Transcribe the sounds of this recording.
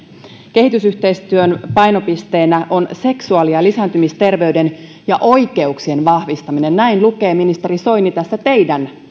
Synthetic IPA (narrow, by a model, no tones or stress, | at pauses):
ke̞ɦit̪ysyht̪e̞ist̪yønpɑjno̞pist̪e̞ːnæʔo̞nse̞ksuɑliɑlisænt̪ymist̪e̞rʋe̞yde̞n | jɑʔo̞jke̞uksie̞nʋɑhʋist̪ɑmine̞nːæinluke̞ːminist̪e̞ɾiso̞jnit̪æsːæt̪e̞jdæn